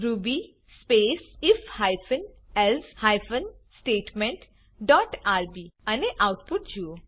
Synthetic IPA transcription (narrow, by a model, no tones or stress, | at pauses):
ɾubi | speːsɪfhajfən | ɛlshajfənsʈeːʈmẽɳʈ | ɖɔʈaːɾbiɐneʔawʈpʊʈ̚d͡ʒuo